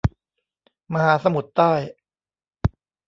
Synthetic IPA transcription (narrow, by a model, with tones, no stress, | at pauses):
ma˧haː˩˦sa˧mu˨˩˦t̪ːaː˥˩j